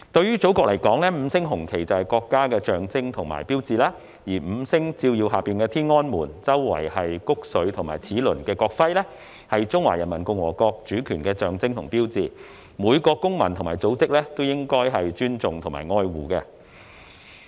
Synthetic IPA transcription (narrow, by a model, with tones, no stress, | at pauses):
t̪ɵ˧ɥyː˥t͡so˨˥wkɔː˧k̚lɐ˨˩jkɔː˨˥ŋlɛː˥m̩˨˧sɪ˥ŋɦʊ˨˩ŋkʰe˨˩jt͡sɐ˨˩whɐ˨˩jkɔː˧kːaː˥kɛː˧t͡ʃœː˨ŋt͡sɪ˥ŋt̪ʰʊ˨˩ŋma̰ː˨˩jpiː˥wt͡siː˨laː˧ | jiː˨˩m̩˨˧sɪ˥ŋt͡siː˧wji˧wɦaː˨piː˨˩nkɛː˧t̪ʰiː˥nŋɔː˥nmuː˨˩nt͡sɐ˥wːɐ̰˨˩jhɐ˨jkʊ˥k̚sɵ˨˥ɥt̪ʰʊ˨˩ŋma̰ː˨˩jt͡sʰiː˨˥lɵ˨˩nkɛː˧kɔː˧k̚fɐ˥jlɛ˥ | hɐ˨jt͡ʃʊ˥ŋwa̰ː˨˩jɐ˨nmɐ˨˩nkʊ˧ŋwɔː˨˩kɔː˧k̚t͡ʃyː˨˥kʰyː˨˩nkɛː˧t͡ʃœː˨ŋt͡sɪ˥ŋt̪ʰʊ˨˩ŋpiː˥wt͡siː˨˩ | muː˨˧jkɔː˧kʊ˥ŋmɐ˨nt̪ʰʊ˨˩ŋmaː˨˩jt͡so˨˥wt͡sɪ˥k̚lɛː˥t̪o˥wjɪ˥ŋkɔː˥jɦɐ˨jt͡ʃyː˥nt͡sʊ˨ŋt̪ʰʊ˨˩maː˨˩jŋɔː˧jwuː˨˩kɛː˧